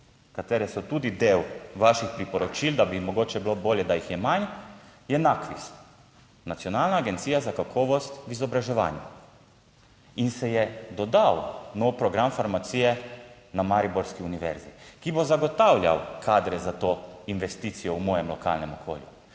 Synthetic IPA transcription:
kat̪eːɾɛsɔt̪uːd̪id̪eːwʋaʃixpɾipɔɾɔt͡ʃild̪abimɔɡoːt͡ʃɛbiloboːljɛd̪ajixjɛmanjɛnakʋḭst̪ | nat̪sʲjɔnaːlnaːɡent̪siːjazakakʰɔːʋɔst̪ʋizɔbɾaʒɛʋa̰ːnjṵ | insɛjɛd̪ɔd̪awnɔwpɾɔɡɾamfaɾmat̪siːjɛ | namaɾiboɾskiuniʋɛ̰ɾzikibozaɡɔt̪awlʲja̰wkʰaːd̪ɾɛzat̪oːinʋɛst̪iːt̪sijɔumɔːjɛmlɔka̰lnɛmɔkʰo̰ːljṵ

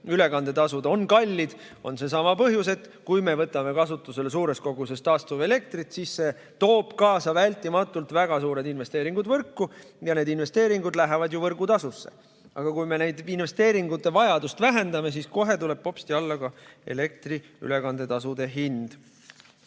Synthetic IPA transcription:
yle̞kɑnd̪̥e̞t̪ɑsud̪̥o̞nkɑlʲːid̪̥ | o̞̰nse̞s̬ɑmɑpɤɦjuse̞t̪ːˑkujme̞vɤt̪ːˑɑme̞kɑsut̪ːˑuse̞les̬uːɾe̞sko̞ɡuse̞st̪ːɑːst̪uve̞le̞k̚t̪rit̪sisse̞ | t̪o̞ːb̥kɑːsɑvælʲt̪ːˑimɑt̪ːˑult̪væɡ̥ɑsuːɾe̞d̪inve̞st̪e̞ːɾiŋɡ̥ud̪vɤrkːu | jɑne̞ːd̪inve̞st̪e̞ːɾiŋɡ̥ud̪læɦevɑd̪juvɤrɡut̪ɑsusːe̞̰ | ʔɑɡ̥ɑkujme̞ne̞jd̪inve̞st̪e̞ːɾiŋɡut̪ːˑe̞vɑjɑd̪ust̪væɦe̞nd̪ɑme̞s̬isko̞ɦe̞t̪ule̞b̥̚po̞pst̪iɑlːɑkɑe̞̰le̞k̚t̪ri | y̰le̞kɑnd̪e̞t̪ɑsud̪̥e̞ɦind̪̥

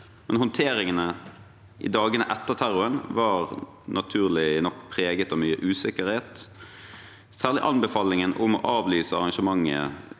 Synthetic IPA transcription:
mɛnhɔnt̪ʰeːɾɪŋənə | ʔɪ̰d̪ɑːɡənə̰ʔɛt̪ːəʁt̪ʰæʁʊənʋɑːʁ | nʔɑt̪ʰʉːʁlɪnɔkːpʰʁeːɡət̪ɑʋmyːəʔʉːsɪkəʁheːt̪ | sæːʁlɪ̰ʔɑnbəfɑːlɪŋənʔʊmɔ̰ʔɑːʋlyːsəɑʁɑŋʃəmɑŋːə̰

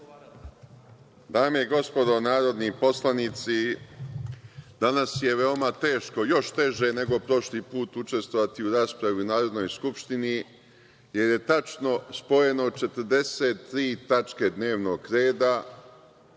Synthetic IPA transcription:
d̪aːmeiɡo̞spo̞d̪o̞naːɾo̞d̪nipo̞slˠanit̪si | d̪̥anasje̞ʋe̞o̞mat̪e̞ːʃko̞jo̞ʃt̪e̞ʒene̞ɡo̞pɾo̞ʃlipuːt̪ut͡ʃe̞st̪ʋo̞ʋat̪iuɾaːspɾaʋiunaːɾo̞d̪nojskupʃt̪ini | je̞ɾje̞t̪at͡ʃno̞spo̞je̞no̞t͡ʃe̞t̪əɾd̪e̞set̪ːɾiːt̪at͡ʃke̞d̪ne̞ːʋno̞ɡɾe̞ːd̪a

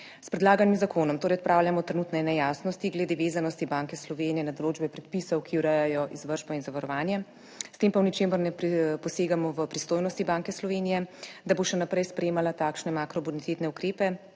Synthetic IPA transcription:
spɾɛd̪laːɡanimzakʰoːnɔmt̪oːɾɛjɔt̪̚pɾaːwljamɔt̪ɾɛnuːt̪nɛnɛjaːsnɔst̪iɡlɛd̪eːʋeːzanɔst̪ibaŋkɛslɔʋeːnijɛnad̪ɔloːd͡ʒbɛpɾɛt̪̚pisɔwkiwɾɛjajɔʔizʋəɾʒbɔinzaʋaɾɔʋaːnjɛ | st̪eːmpawnit͡ʃeːmɔɾnɛpɾpɔseːɡamɔʋəpɾist̪oːjnɔst̪ibaːŋkɛslɔʋeːnijɛd̪aboʃɛnapɾɛjspɾɛjeːmalat̪aːkʃnɛmakɾɔbunit̪eːt̪nɛukɾeːpɛ

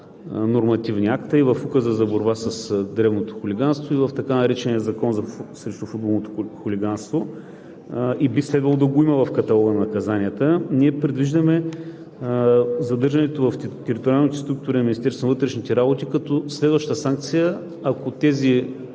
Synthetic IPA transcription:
noɾmɐt̪ivnʲiakt̪ɐivɐfukəzəzɐboɾbasəsd̪ɾɛvnot̪o̥xʊliɡanst̪voivɐft̪ɐkanɐɾɛt͡ʃɛnijəzɐkɔnzɐsɾɛʃt̪ʊfud̪̚bolˠnot̪o̥xʊlʲiɡanst̪vo | ibislɛd̪vəlˠod̪ɐɡoimɐvɐfkɐt̪ɐlˠɔɡənɐkɐzanʲiət̪əniɛpɾɛd̪viʒd̪əmɛ | zɐd̪ɤɾʒɐnɛt̪ovɐft̪ɛɾit̪oɾʲjalˠnit̪ɛst̪ɾuk̚t̪ʊɾinminʲist̪ɛɾsvonvət̪ɾɛʃnit̪ɛɾabot̪ikɐt̪oslɛd̪vəʃt̪t̪əsaŋk̚t̪sijə | ɐkot̪ɛzi

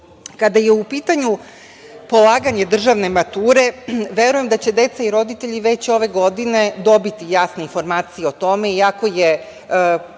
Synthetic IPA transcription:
kad̪ajeupiːt̪aɲu | po̞lˠaːɡaɲe̞d̪r̩ʒaʋne̞mat̪uːɾe̞ʋe̞ɾuje̞md̪at͡ɕe̞d̪e̞t̪saiɾo̞d̪it̪eʎiʋe̞t͡ɕo̞ʋe̞ɡo̞d̪ine̞d̪o̞bit̪ijaːsneinfo̞ɾmaːt̪sijeo̞t̪o̞me̞iako̞je

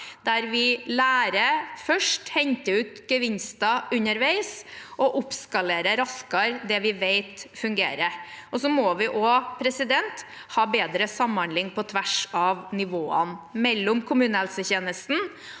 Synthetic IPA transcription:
d̪æɾʋɪlæːɾəfœʂʈhɛɲt̪əʉːt̪ɡəʋɪnst̪ɑʉɲəɾʋæɪsʔɔʔʊpskɑleːɾəɾɑskɑɾd̪ɛʋɪʋeɪt̪fʉŋɡḛːɾəʔɔsɔmɔʋɪʔɔpʰɾɛsɪd̪ɛnt̪ | hɑːbeːd̪ɾəsɑmɑnlɪŋːpʰɔt̪ʰʋæʂɑʋnɪʋoːə̰nmɛlːʊmkʰʊmʉːnəhɛlsəçeːnəst̪n̩

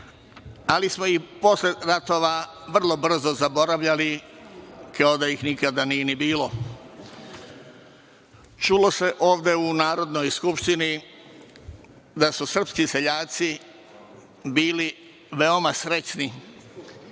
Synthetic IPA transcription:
alismoipo̞sleɾat̪o̞ʋa | ʋr̩lˠo̞br̩zo̞zabo̞ɾaʋʎali | kʰaod̪aixnikad̪anije̞nibiːlo̞ | t͡ʃulo̞se̞ʔo̞ːʋd̪e̞unaːɾo̞d̪no̞jskupʃt̪ini | d̪asusr̩pskiseʎaːt̪si | biːli | ʋe̞o̞masɾe̞t͡ɕni

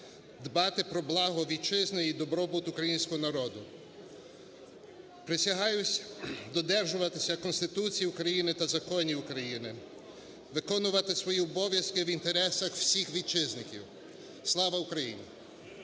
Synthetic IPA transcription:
d̪bɑt̪ɪpɾɔblˠɑɦɔʋʲid̪t͡ʃɪznɪid̪ɔbɾɔbut̪ʊkɾɐjinʲsʲkɔɦɔnɐɾɔd̪ʊ | pɾɪsʲɐɦɑjʊsʲd̪ɔd̪ɛrʒʊʋɐt̪ɪsʲɐkɔnst̪ɪt̪ut͡sʲijiʊkɾɐjinɪt̪ɐzɐkɔnʲiʊkɾɐjinɪ | ʋɪkɔnʊʋɐt̪ɪsʋɔjiɔbɔʋʲjɐskɪʋint̪eɾɛsɐxwsʲixʋʲit͡ʃɪznɪkʲiw | slˠɑʋɐʊkɾɐjḭnʲi

